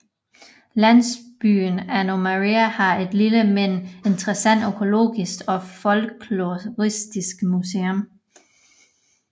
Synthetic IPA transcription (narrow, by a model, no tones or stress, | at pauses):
læn̰sb̥y̰ːnæno̝mæʁiæhɑ̈e̝d̥liləmen̰e̝nd̥ʁɐsæn̰d̥økʰo̝lo̝̰ːɡ̥isɡ̥ɒ̽fɒ̽lkʰluʁisd̥isɡ̥museom